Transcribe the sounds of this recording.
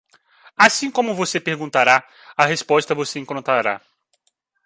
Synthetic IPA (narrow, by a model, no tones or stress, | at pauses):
asĩkõmʊvosepeɾɡũnt̪aɾa | ɐɦespɔst̪ɐvoseẽŋkɾõnt̪aɾa̰